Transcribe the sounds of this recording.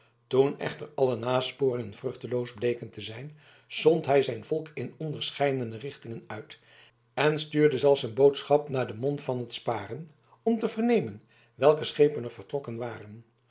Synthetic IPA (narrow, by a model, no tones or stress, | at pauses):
tunɛ̰χtərɑlənaːspʊːrɪŋənvrɵχtəlowzblejkəntəzɛjn | z̥ɔntɦɛjzɛjnvɔlˠkɪnɔndəɹsχɛjdənərɪχtɪŋənœɥt | ɛnstyːɹdəzɛlˠfsənbowtsχɑpnaːɹdəmɔntfɑnɦətspaːrən | ɔmtəvəɹnejmən | ʋɛlˠkəsχejpənəɹvəɹtrɔkənʋaːrən